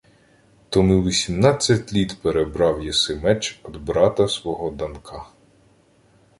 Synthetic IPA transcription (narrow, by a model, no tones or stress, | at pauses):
t̪ɔmɪʋʲisʲimnɑt͡sʲːɐtʲlʲit̪peɾebɾɑwjɛsɪmɛt͡ʃɔd̪bɾɑt̪ɐsʋɔɦɔd̪ɐnkʰɑ